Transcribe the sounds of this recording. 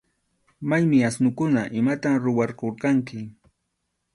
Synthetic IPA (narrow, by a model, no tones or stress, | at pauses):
majmɪasnʊkʊnaʔɪmat̪amɾʊwɑɾqoɾqɑŋkɪ